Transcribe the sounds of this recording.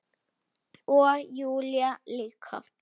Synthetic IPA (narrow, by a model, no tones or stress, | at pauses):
uajulialikʰa̰